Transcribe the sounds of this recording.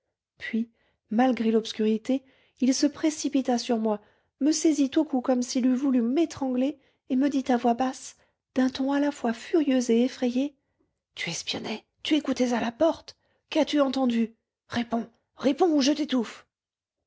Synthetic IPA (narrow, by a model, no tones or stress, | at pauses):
pɥi | malɡʁelɔpskʲyʁit̪e | ilsəpχesipit̪asyʁmwa | məsɛzit̪okukɔmsilyvulymet̪χɑ̃ɡle | eməd̪it̪avwabas | d̪̥ɛ̃t̪ɔ̃alafwafyʁjøzeːfχɛje | t̪yɛspjɔnɛ | t̪yekut̪ɛzalapɔʁt̪ | kat̪yɑ̃t̪ɑ̃d̪y | ʁepɔ̃ | ʁepɔ̃uʒət̪et̪uf